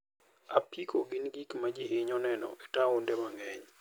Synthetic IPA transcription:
apikʰoɡɪnɡikmad͡ʒihɪɲɔnɛnɔ̰ʔɛtaʊndɛmaŋɛɲ

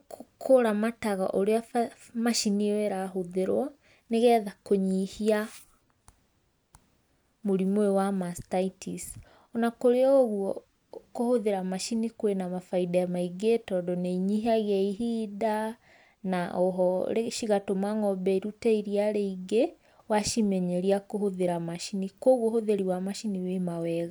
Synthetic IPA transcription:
kokʰoɾamataɣa̰ʔoɾea | maʃiniwɛɾaɦoðeɾwɔ | neɣɛðakoɲihia | moɾimwewamastaitʰis | ɔnakoɾeɔoɣuɔ | kohoðeɾamaʃinikwenamafaidaamaiɡetɔdɔneiɲiɦaɣeaiɦida | naoɦɔɾeʃiɣatomaŋɔbɛiɾutɛiɾiaɾeiɡe | waʃimɛɲeɾiakohoðeɾamaʃinikoɣwɔhoðeɾiwamaʃiniwemawɛɣa

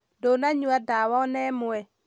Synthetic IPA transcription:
donaɲuadawɔnɛmʊɛ

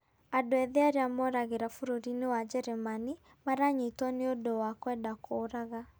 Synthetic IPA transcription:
adoɛðeaɾeamɔɾaɣeɾafuɾoɾinewad͡ʒɛɾɛmani | maɾaɲitɔneodowakwɛndakʰoɾaɣa

